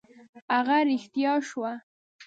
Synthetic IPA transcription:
aɣaɾɪxt̪jɑʃwa

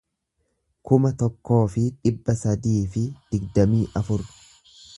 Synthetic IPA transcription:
kʊmɐt̪ɔkːo̞ːfɪᶑɪbːɐsɐd̪iːfɪd̪̥ɪɡd̪ɐmiːʔɐfʊɾ

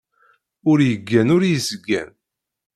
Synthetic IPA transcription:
ʊɾjəɡːænʊɾjəzɡːæ̰n

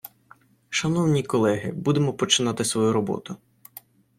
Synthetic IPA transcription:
ʃɐnɔwnʲikɔlˠɛɦɪ̰bud̪emɔpɔt͡ʃɪnɑt̪ɪsʋɔjuɾɔbɔ̰t̪ʊ

